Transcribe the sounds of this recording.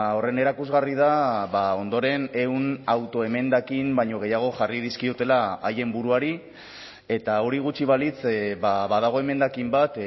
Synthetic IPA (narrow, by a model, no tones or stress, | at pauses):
o̞re̞ne̞ɾakuzɣarið̞aβao̞nd̪o̞ɾe̞ne̞wnawt̪o̞e̞me̞nd̪akimbajɲo̞ɣ̞e̞jaɣ̞o̞ʝariðiskiot̪e̞laaje̞mbuɾuaɾi | e̞t̪ao̞ɾiɣ̞ut͡ʃiβ̞alit͡sβaβað̞aɣ̞o̞e̞me̞nd̪akimbat̪